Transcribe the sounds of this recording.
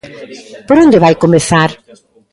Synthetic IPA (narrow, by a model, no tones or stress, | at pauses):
poɾõnd̪eβajkomeθaɾ